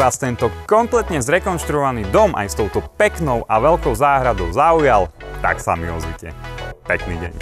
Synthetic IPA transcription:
aːst̪ɛnt̪ɔkɔmplɛt̪ɲɛzɾɛkɔnʃt̪ɾuɔʋaniːd̪ɔmʔa̰jst̪ɔʊt̪ɔpɛknɔʊʔaʋɛlkɔʊzaːɦɾad̪ɔʊzaujalt̪a̰ksa̰miɔzʋicɛ̰pɛknḭːɟɛ̰ɲ

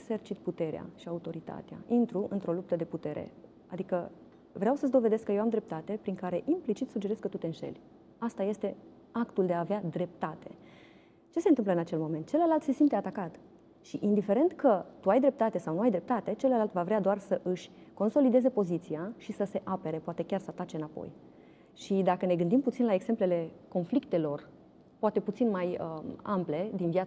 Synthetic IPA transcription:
sert͡ʃit̪̚put̪e̞ɾea̰ʃiaut̪o̞ɾit̪a̰t̪ea̰int̪ɾuʔɨ̰nt̪ɾo̞lup̚t̪əd̪e̞put̪e̞ɾḛ | a̰d̪ikə | vɾeawsəz̬d̪o̞ve̞d̪eskəjewamd̪ɾe̞p̚t̪at̪e̞pɾiŋkaɾe̞ʔimplit͡ʃit̪sud͡ʒe̞ɾe̞skːət̪ut̪e̞ɨnʃe̞̰lʲ | ast̪aje̞st̪e̞ | akt̪uld̪eaːvead̪ɾe̞p̚t̪at̪e̞̰ | t͡ʃe̞sent̪ɨmpləɨnat͡ʃe̞lmo̞ment̪̚t͡ʃe̞ləlalt̪se̞simt̪eat̪akat̪ | ʃiʔind̪ife̞ɾe̞nt̪kət̪uajd̪ɾe̞p̚t̪at̪e̞sawnuajd̪ɾe̞p̚t̪at̪e̞t͡ʃeləlalt̪vavɾead̪oarsəʔɨʃʲko̞nso̞lid̪e̞ze̞po̞zit̪sijaʃisəse̞ʔape̞ɾe̞poat̪e̞kʲarsəat̪at͡ʃe̞ɨnapo̞̰j | ʃid̪akəne̞ɡɨnd̪imput̪sinlaeɡse̞mple̞le̞ko̞nflikt̪e̞lo̞r | poat̪e̞put̪sinmajəample̞d̪invjat̪

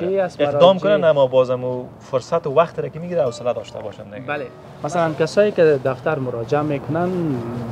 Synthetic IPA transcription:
keaseqd̪ɔmkkʊnanamːɔbɔzamu | fʊɾsat̪ɪwaxt̪ɪɾakɪmiɡiɾanawsɪlad̪ɔʃt̪ʰa̰bɔ̰ʃandeɡle | masalankasɔjekɪd̪aft̪aɾmʊɾɔd͡ʒɪamekʊnan

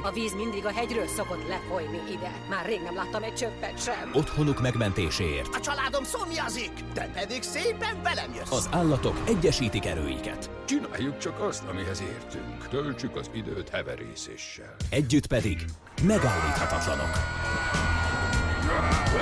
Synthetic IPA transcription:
ɒviːzmind̪iɡɒɦɛɟrøːlso̞ko̞t̪lɛfo̞jniʔid̪ɛ | maːrːeːɡnɛmlaːt̪ːɒmɛc̚t͡ʃøpːɛnt̪ʃɛmo̞t̪ho̞nukmɛɡmɛnt̪eːʃeːḛːrt̪ɒt͡ʃɒlaːd̪o̞msomjɒzikd̪̥ɛpɛd̪iɡseːpɛɱvɛlɛmjøɒzaːlːɒt̪o̞kɛɟːɛʃiːt̪ikɛɾø̰ːjḭkɛ̰t̪ | t͡ʃina̰ːjːukt͡ʃɒkɒst̪ɒmiɦɛzḛːrt̪y̰ŋkt̪ølt͡ʃykɒzid̪øːt̪hɛvɛ̰ɾḭːsḛːʃːɛ̰lɛɟːyt̪pɛd̪iɡ | mɛɡaːlːiːt̪hɒt̪ɒt̪lɒno̞̰k

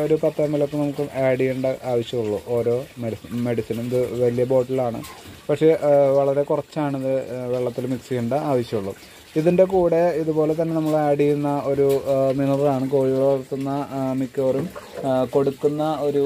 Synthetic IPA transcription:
o̞ɾupɐt̪ːɐmːilo̞kːenɐmukːɨmʔaːɽijuɳɖɨʔaːʋɐɕjɐmuɭːṵʔo̞ːɾo̞ːmeme̞ɽisinumiðɨʋɐlijɐbo̞ːʈːilaːɳɨ̰pɐkʂe̞ʋɐɭɐɾe̞kurɐt͡ɕːaːɳiðɨʋe̞ɭːɐt̪ːilumiksijuɳɖɨaːʋɐɕjɐmuɭːṵ | iðinde̞kuːɽe̞iðubo̞ːle̞t̪̬ɐnːe̞nɐmːɐɭaːɽijunːɐo̞ɾuminɐrlaːɳɨkoːɻiʋɐɾt̪ːunːɐmikːoːrumko̞ɽukːunːɐo̞ɾu

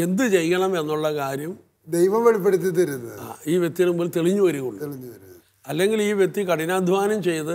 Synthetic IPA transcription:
e̞nd̪ɨt͡ɕe̞jkɐɳɐme̞nːuɭːɐkaːɾjɐm | d̪ejʋɐmʋeɭipːeɽit̪̬ʲːit̪ɐɾunːɐða̰ːiːʋjek̚t̪ːijɐlumboːlt̪e̞ɭiɲːuʋɐɾuɣuɳːɭiɲːuɐɾu | ɐlːe̞ŋɡiliːʋjekt̪ːikɐɽinaːd̪ʱʋaːnɐmt͡ɕe̞jt̪ɨ

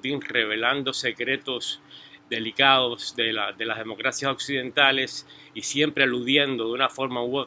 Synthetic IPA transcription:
t̪inre̞β̞e̞land̪o̞se̞kɾe̞t̪o̞sd̪e̞likaðo̞sðelad̪e̞lazðemo̞kɾasjaso̞ksiðẽ̞nt̪ale̞s | isje̞mpɾe̞aluðjend̪o̞ðeunafo̞ɾmawe

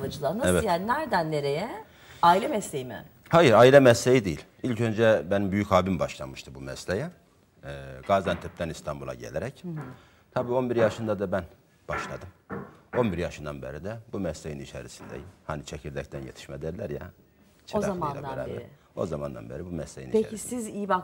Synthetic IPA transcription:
vad͡ʒɯlˠanaɛvɛjannæɾd̪ænːʲeɾejɛ | aːilʲɛmɛslʲejimɪ̰ | hajɯɾaːilʲɛmɛslʲejid̪ejilʲilʲcʰø̞nd͡ʒɛbenimbyjychaːbimbaʃlˠa̰mɯʃt̪ʰɯbumɛslʲejɛ | ɡaːzd̪ant̪ʰɛp̚t̪ænist̪ʰanbulˠa̰ɟelʲeɾɛc | t̪ʰabiːo̞nbiɾjaʃɯnd̪ad̪abæn | b̥aʃlˠad̪ɯmo̞nbiɾjaʃɯnd̪anbeɾid̪ɛbumɛslʲejinit͡ʃʰḛɾisind̪ɛ̰jhanit͡ʃʰecʰiɾd̪ɛc̚t̪ʰænjet̪ʰi̥ʃmɛd̪æɾlʲæɾja̰ | t͡ʃʰozamanad̪aɛ̰ɾaɾɪ | o̞zamand̪a̰nbeɾibumɛslʲejḭnpeisizijibak

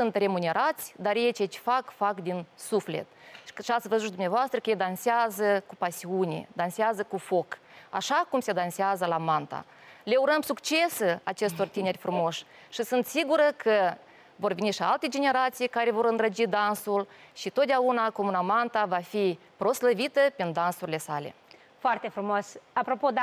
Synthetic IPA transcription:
sunt̪re̞mune̞ɾʔat̪sʲd̪arjet͡ʃejt͡ʃe̥fakfakd̪insufle̞̰t̪ʃiat̪svəzut̪d̪umnʲavoast̪ɾəkəjed̪ansɪazəkupasiunʲḛd̪anseazəkufo̞ka̰ʃakumse̞d̪anseazəlamant̪a̰ | le̞uɾəmsukt͡ʃe̞seat͡ʃe̞st̪o̞rt̪ine̞rʲfɾumo̞ʃ | ʃisɨnt̪siɡuɾəkʰə | vo̞rveniʃia̰lt̪e̞d͡ʒe̞ne̞ɾat̪sijkaɾe̞vo̞ɾɨnd̪ɾəd͡ʒid̪ansulʃit̪ot̪̚d̪eaunakomunamant̪avafi | pɾo̞sləvit̪əpind̪ansuɾʲile̞sale̞̰ | foart̪efɾumosapɾopod̪

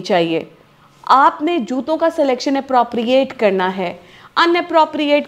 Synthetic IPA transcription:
t͡ʃaːɦiḛː | aːpned͡ʒuːt̪õkasɛlɛːkʃənɛpɾoːpɾijeːʈkɐɾnaɦɛː | ɐ̃nɛpɾoːpɾijeːʈ

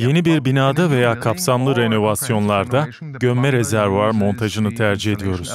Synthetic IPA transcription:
je̞nibiɾbinaːd̪ave̞jaːkʰapsamlˠɯɾe̞no̞vasjo̞nlˠaɾd̪a | ɟømːɛɾe̞zæɾvaɾmo̞nt̪ʰaʒɯnɯt̪ʰæɾd͡ʒihe̞d̪ijo̞ɾuz̥

